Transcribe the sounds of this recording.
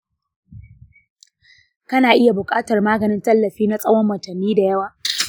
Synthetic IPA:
kɐ˦naː˨ʔɪ˦ja˨bʊ˨kʼaː˦tɐ˨rmaː˦ɡɐ˨nɪ˦ntɐ˦lːɐ˨ɸiː˦na˦sʼɐ˦wɔ˦mːɐ˨tɐ˨nːiː˦da˨jɐ˦waː˨

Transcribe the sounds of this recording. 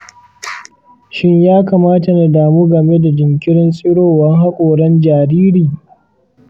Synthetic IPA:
ʃɪ˦ɲjaː˦kaː˨maː˦ta˨na˨daː˨muː˦ɡɐ˨me˦da˨d͡ʒɪ˨ŋkʲɪ˦ɽɪ˦nsʼɪ˦ɽoː˦˨wɐ˦ŋɦa˦kʷʼoː˨ɽɐ˦nd͡ʒaː˨ɾiː˦ɾiː˨

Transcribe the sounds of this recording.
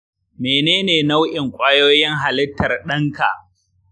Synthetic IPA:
meː˨neː˦neː˨na˦wʔɪ˨ŋkʷʼaː˦joː˦jɪ˦ŋɦa˨lɪ˦tːɐ˨rɗɐ˦ŋka̰˨ʔ

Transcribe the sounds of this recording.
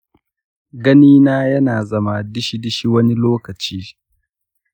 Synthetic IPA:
ɡɐ˦niː˦naː˦jɐ˦naː˨zɐ˦ma˨dɪ˦ʃi˦dɪ˦ʃi˦wɐ˦ni˦loː˦kɐ˨t͡ʃiː˦

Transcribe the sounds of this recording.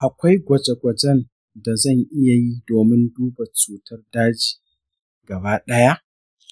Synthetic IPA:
ʔa˨kʷa˦jɡʷɐ˨d͡ʒe˨ɡʷɐ˨d͡ʒɛ˦n | da˨zɐ˦˨ŋʔɪ˦ja˨ji˦doː˨mɪ˦nduː˦ba˨t͡ʃuː˨tʰɐ˦rdaː˦d͡ʒi̥ː˨ | ɡɐ˨baː˦ɗɐ˦ja˦ʔ

